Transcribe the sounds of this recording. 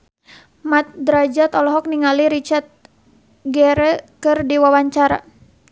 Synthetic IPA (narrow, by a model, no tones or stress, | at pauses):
mat̪̚d̪ɾad͡ʒat̪ɔlɔɦɔk̚niŋaliɾit͡ʃart̪̚ | ɡɛɾɛkɨrdiwawaɲt͡ʃaɾa̰